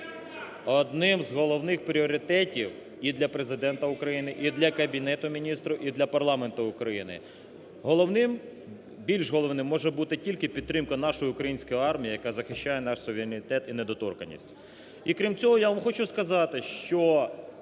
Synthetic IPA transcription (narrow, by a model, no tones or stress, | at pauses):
ɔd̪nɪmzɦɔlˠɔʋnɪxpɾʲiɔɾʲɪt̪ɛtʲiw | id̪lʲɐpɾezɪd̪ɛnt̪ɐʊkɾɐjinɪʔid̪lʲɐkɐbʲinɛt̪ʊmʲinʲist̪ɾʊʔid̪lʲɐpɐrlˠɑment̪ʊʊkɾɐjinɪ̰ | ɦɔlˠɔʋnɪm | bʲilʲʒɦɔlˠɔʋnɪmːɔʒɛbut̪ɪtʲilʲkɪpʲid̪̚t̪ːɾɪmkɐn̪ɑʃɔjʊʊkɾɐjinʲsʲkɔjiɑrmʲijijɐkazɐxɪʃt͡ʃajɛnɑʃsʊʋʲeɾʲɪnʲɪt̪ɛt̪ined̪ɔt̪ɔ̰rkɐ̰nʲːḭsʲtʲ | ikɾʲimt͡sʲɔɦɔjaʋɐmxɔt͡ʃʊskɐzɑt̪ɪʃt͡ʃɔ